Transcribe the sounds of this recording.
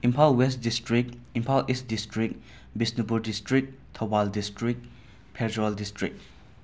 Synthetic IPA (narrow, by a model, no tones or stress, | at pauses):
impʰawlwestdistɾikimpʰawlist̚distɾik̚ | bisnipuɾdistɾik̚tʰɔbaldistɾik̚ | pʰɛɾdɾaldistɾik̚